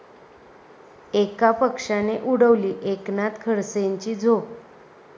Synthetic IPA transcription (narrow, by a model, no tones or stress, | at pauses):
ekapəkʂaneʔuɽəʋliːʔeknat̪kʰəɾseɲt͡ɕid͡zʱo